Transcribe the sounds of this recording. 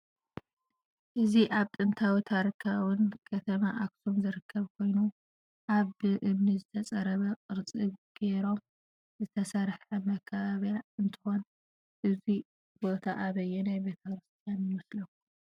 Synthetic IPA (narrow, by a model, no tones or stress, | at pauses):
ʔɨziʔaβt̪ʼɨnt̪ʰawit̪ʰaɾikʰawɨnkʰɐt̪ʰɐmaʔaksumzɨɾɨkʰːɐβkʰo̞jnu | ʔaβɨʔɨmnizɨt̪ʰɐt͡sʼɐɾɐβɐkʼɨɾt͡sʼɨβɡ̥e̞ɾo̞m | zɨt̪ʰɐsɐɾħɐmɐkʰːɐβaβjaɨnt̪ʰɨ̥xo̞n | ʔɨzi | bo̞t̪ʰaʔaβɐjːunajbe̞t̪ʰɐkɾɨst̪ʰijanjɨwɔslɐkːu